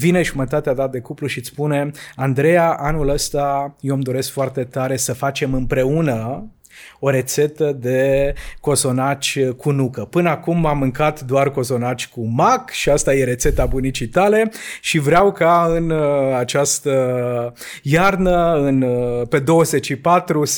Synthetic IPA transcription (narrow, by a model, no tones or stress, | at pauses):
vine̞ʒumət̪at̪ead̪ad̪e̞kupluʃit̪spune̞and̪ɾe̞jaʔanuləst̪ajewmd̪o̞ɾe̞skfoart̪e̞t̪aɾe̞səfat͡ʃe̞mɨmpɾe̞unə | o̞ɾe̞t̪se̞t̪əd̪e̞ko̞so̞nat͡ʃʲkʰunukəpɨnəakumamːɨŋkat̪d̪oarko̞so̞nat͡ʃʲkumakʃiast̪aje̞ɾe̞t̪se̞t̪abunit͡ʃijt̪ale̞ʃivɾeawkaɨnat͡ʃast̪ə | jarnəɨnpe̞d̪o̞wəze̞t͡ʃʃipat̪ɾu